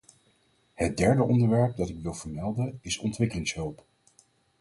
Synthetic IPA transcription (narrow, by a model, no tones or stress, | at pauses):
hət̚dɛɹdəʔɔndəɹʋɛɹp̚dɑtɪkʋɪlˠv̥əɹmɛlˠdənɪsɔntʋɪkəlɪŋsɦøwˠp